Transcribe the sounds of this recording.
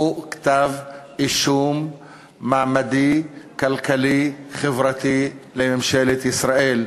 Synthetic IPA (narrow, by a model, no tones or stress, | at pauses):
uʔkt̪aːvʔɪʃuːmː | aʕmad̪ikalkalixɪvɾɑt̪ilɪmʃaːlɪt̪ʔɪsɾˤɑʔiːl